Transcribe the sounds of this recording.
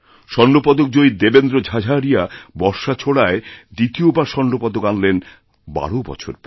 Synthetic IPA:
ʃɔnɖopɔd̪ok̚d͡ʑoid̪ebend̪ɾod͡ʑʱad͡ʑʱaɾijabɔɾʃat͡ɕʰoɽaed̪it̪iobaɾʃɔnɖopɔd̪okanlen | ba̰ɽobɔ̰t͡ɕʰo̰ɾp

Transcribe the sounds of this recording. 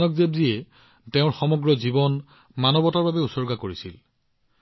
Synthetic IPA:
nɔkzebzijɛ | teʊ̃ɹxɔmɔɡɹɔzibɔn | manɔbɔtaɹbabɛusɔɹɡakoɹisḭl

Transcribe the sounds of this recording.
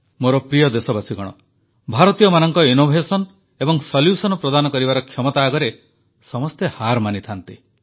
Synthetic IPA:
moɾɔpɾijɔd̪esɔbasiɡɔɽ̃ɔ | bʱaɾɔt̪ijɔmanɔŋkɔinobʱesɔn | ebɔŋsɔljusɔnɔpɾɔd̪anɔkɔɾibaɾɔkʰjɔmɔt̪aːɡɔɾe | sɔmɔst̪ehaɾmanit̪ʰant̪i

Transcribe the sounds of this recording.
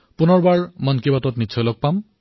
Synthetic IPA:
pʊnɔɹbaɹmɔnkibatɔtnitːt͡ʃʰɔjlɔɡ̚pam

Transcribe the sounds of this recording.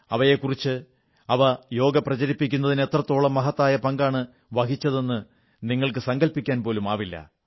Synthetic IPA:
ɐʋɐje̞kurit͡ɕːɨ | ɐʋɐjo̞ːɡɐprɐt͡ɕɐɾipːikʲːun̪ːɐðine̞t̪rɐt̪ːo̞ːɭɐmːɐɦɐt̪ːaːjɐpɐŋɡaːɳɨ | ʋɐkit͡ɕːɐðe̞nːɨ | niŋːɐɭkɨsɐŋɡɐlpikʲːaːnpo̞ːlumaːʋilːɐ̰

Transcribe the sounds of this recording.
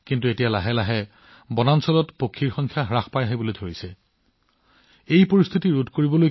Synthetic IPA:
kintuetijalaɦɛlaɦɛ | bɔnansɔlɔtpokʰːiɹxɔŋkʰjaɦɹaxpajaɦibolojdʱoɹisɛ | ejpoɹist̪ʰitiɹudʱkoɹibɔloj

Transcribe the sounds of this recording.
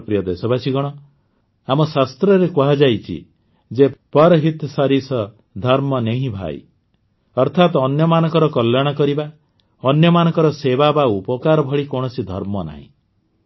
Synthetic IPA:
pɾijɔd̪esɔbasiɡɔɽ̃ɔ | amɔsast̪ɾɔɾekuɦad͡ʒajt͡ʃʰḭ | d͡ʒepɔɾɔɦit̪saɾisɔ | d̪ʱɔɾmɔneɦĩbʱa̰j | ɔɾt̪ʰat̪ɔnjɔmanɔŋkɔɾɔkɔljaɽ̃ɔkɔɾiba | ɔnjɔmanɔ̃ŋkɔɾɔsebabaupɔkaɾɔbʱɔɭikɔɽ̃ɔsid̪ʱɔ̰ɾmɔna̰ɦḭ̃

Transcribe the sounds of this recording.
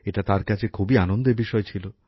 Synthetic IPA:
eʈat̪aɾkat͡ɕʰekʰubianond̪eɾbiʃɔet͡ɕʰilo

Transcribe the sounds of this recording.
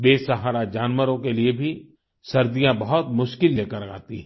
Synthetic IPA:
beːsɐɦaːɾad͡ʒaːnwəɾõkeliebʱi | sɐɾd̪ijãbɐɦɔt̪mʊʃkɪlːeːkəɾa̰ːt̪iɦɛ̃

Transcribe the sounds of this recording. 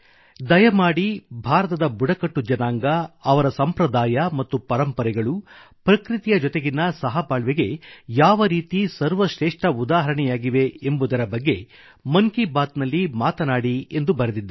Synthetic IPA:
d̪ɐjɐmaːɽibʱaːɾɐt̪ɐd̪ɐbuɽɐkɐʈːud͡ʒɐnaːŋɡɐɐʋɐɾɐsɐmpɾɐd̪aːjɐmɐt̪ːupɐɾɐmpɐɾɛɡɐɭu | pɾɐkɾit̪ijɐd͡ʒɔt̪e̞ɡinɐsɐɦɐbaːɭʋeɡe̞jaːʋɐɾiːt̪isɐɾʋɐʃɾeːʂʈɐud̪aːɦɐɾɐɳɛjaːɡiʋe̞embud̪ɐɾɐbɐɡːe | mɐŋkibaːt̪nɐlːimaːt̪ɐnaːɽie̞nd̪ubɐɾed̪id̪ːɐ

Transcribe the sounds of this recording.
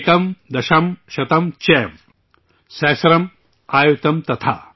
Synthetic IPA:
kɐmd̪ɐʃɐmʃɐt̪ɐmt͡ʃeːm | sɛːsɐɾɐm | aːjut̪ɐmt̪ɐt̪ʰa̰ː

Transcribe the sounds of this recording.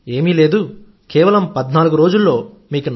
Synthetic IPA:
e̞ːmileːd̪u | keːʋɐlɐmpɐd̪naːluɡuɾo̞ːd͡ʒulːo̞ː | miːkun

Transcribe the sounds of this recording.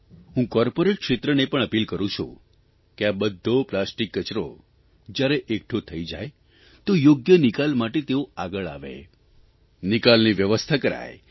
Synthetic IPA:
ɦũkɔɾpoɾeʈ̚kʃet̪ɾənepəɳəpilkəɾũt͡ʃʰṵ̃ | keabəd̪ʱːoplasʈikːət͡ʃɾo̰ | d͡ʒjaɾeʔekʈʰot̪ʰəid͡ʒaj | t̪ojoɡjənikalmaʈet̪eoaɡəɭa̰ʋḛ | nikalniʋjəʋəst̪ʰakəɾa̰j

